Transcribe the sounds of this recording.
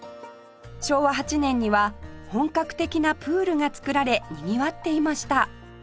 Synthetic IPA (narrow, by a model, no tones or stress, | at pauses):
ɕo̞ːβaɦat͡ɕinẽ̞ɲ̟ːiβahõ̞ŋkakɯ̟̥t̪e̞kʲinapɯ̟ːɾɯ̟ŋat͡sɨ̥kɯ̟ɾaɾe̞ɲiɲʲiβat̪ːe̞imaɕi̥t̪a